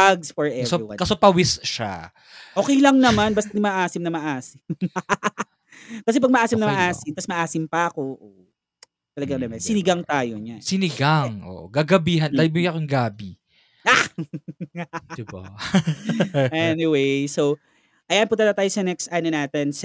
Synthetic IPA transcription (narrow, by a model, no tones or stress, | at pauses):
aɡsfɔɹʔɛoiwa̰kɐsopɐwɪsʃa̰ | ʔo̞ːkɛjlɐŋnɐmanbɐst̪ɐnɪmaʔaːsɪmnɐmɐʔaːsɪmm | kɐsɛp̬ɐɡ̚mɐʔaːsɪmnɐmɐʔaːsɪmt̪ɐsmɐʔaːsɪmpɐʔɐko̞ʔoːʔ | t̪ɐlɐɡaŋnɐmɐnsɪnɪɡaŋt̪aːjoɲasɪnɪɡaŋʔo̰ʔoɡaɡɐbiːɦɐnlabojɐkoŋɡaːbi | a | d̪ba̰ | ɛniwejsow | ʔɐjanpʊnt̪ɐd̪ɐt̪aːjosɐnɛkst̪ʔanonaːt̪ɛns